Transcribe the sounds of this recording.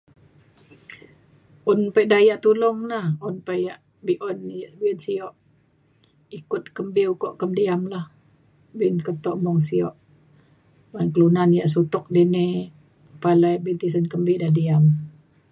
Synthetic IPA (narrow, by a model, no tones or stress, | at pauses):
ʔɔnpɛʔdajaʔt̪ulɔŋnahunpajaʔ | biʔɔnjaʔbiɔnsiɔʔ | ikʊt̪̚kəmbiukɔʔkəmdiamlah | bɪnkət̪ɔʔmɔŋsiɔ̰ʔ | bankəlunanjaʔs̬ut̪ɔk̚dine | palajbint̪is̬ənkəmbidadiam